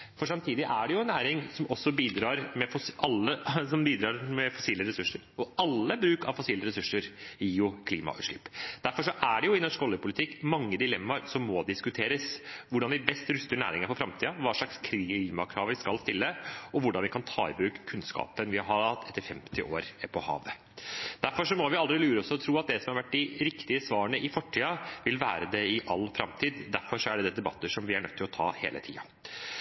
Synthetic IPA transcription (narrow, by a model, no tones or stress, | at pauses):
fɔʂɑmt̪ʰiːd̪ɪʔæɖɛjʊɛnːæːɾɪŋsɔmɔsːɔbiːd̪ɾɑːɾmɛfɔɑlːəsɔmbiːd̪ɾɑːɾmɛfɔsiːləɾɛsʉʂːəɾɔɑlːəbɾʉːkɑ̰ʋfɔsiːləɾɛsʉʂːəɾɪʊkʰliːmɑ̰ʔʉ̰ːt̪ʂɭɪpːd̪æɾfɔʂɔʔæɖɛjʊɪnɔʂkɔljəpʰʊlɪt̪ʰɪkːmɑŋːəd̪ɪlɛmːɑɾsɔmːɔd̪ɪskʉt̪ʰeːɾəsʋʊɖɑnʋɪbɛst̪ɾʉst̪əɳæ̰ːɾɪ̰ŋɑɾpɔfɾɑmt̪ʰiːɑʋɑːʂɭɑkskʰliːmɑkʰɾɑːʋɪskɑlst̪ɪlːəɔʋʊɖɑnʋɪkʰɑnt̪ʰɑ̰ːɪbʉːkkʰʉnskɑ̰ːpənʋɪhɑɾhɑɾɑt̪ːɛt̪ːəɾfɛmt̪ɪʔo̰ːɾpʰɔhɑ̰ːʋ | d̪̥æɾfɔʂɔmɔʋɪɑld̪ɾɪlʉːɾəɔsɔɔt̪ʰɾuːɑt̪̚d̪ɛsɔmhɑɾʋæʈ̚ːɖ̪ɪɾɪkt̪ɪəsʋɑːɾəɳəʔɪfɔʈʰːiːɑʋɪlʋæːɾəd̪ɛɪʔɑlːfɾɑmt̪ʰiːd̪d̪æɾfɔʂɔæɖɛd̪ɛd̪ɛbɑt̪ːəʂɔmʋɪæɳœ̰t̪ʰːɪlɔt̪ʰɑ̰ːhḛːlə̰t̪ʰḭːɑ̰